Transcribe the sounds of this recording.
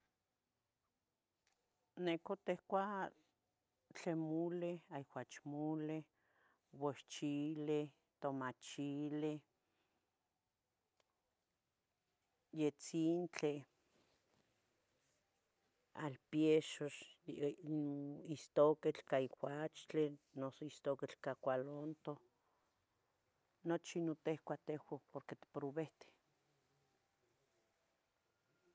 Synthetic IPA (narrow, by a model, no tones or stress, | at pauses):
nekot̪ehkʷa | t͡ɬemuleaiwat͡ʃmule | woʃt͡ʃile | t̪omat͡ʃile | jet͡sint͡ɬe | a̰lpjeʃoʃ | ist̪oket͡ɬkaixʷat͡ʃt͡ɬenosoist̪oket͡ɬkakʷalont̪o | not͡ʃinot̪ehkʷat̪ehʷapoɾket̪i̥pɾoβeht̪e̥